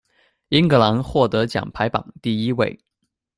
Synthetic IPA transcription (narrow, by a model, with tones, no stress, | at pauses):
i˥nkɤ˧˥la˧˥nxwɔ˥˩t̪ɤ˧˥t͡ɕjɑ̰˨˩ŋpʰa˧˥ɪpɑ̰˨˩ŋt̪i˥˩i˥we˥˩ɪ